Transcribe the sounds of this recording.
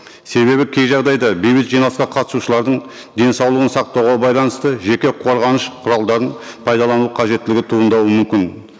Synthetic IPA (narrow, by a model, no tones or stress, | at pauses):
se̞βe̞βɪkʲʰe̞jʒɑʁd̪ɑjd̪ɑbejbɪt̪ʒijnɑlˠəsqɑqʰɑt̪ə̥suʃəlˠɑɾd̪əɴ | d̪e̞nsɑwlˠəʁənsɑq̚t̪ɑwʁɑbɑjlˠɑnəst̪əʒe̞kʲe̞qʰo̞ɾʁɑnəʃqʰʊɾɑlˠd̪ɑɾəɴpʰɑjd̪ɑlˠɑnuqʰɑʒe̞t̪ːɪlɪɡʲɪt̪ʰuənd̪ɑwəmʏmkʲɪn